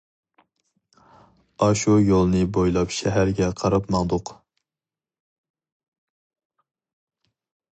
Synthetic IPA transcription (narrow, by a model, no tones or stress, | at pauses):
ɑʃujolˠnɨbojlˠɑpʃɛɦæɾɡʲɛqʰɑɾɑpmɑŋd̪ʊq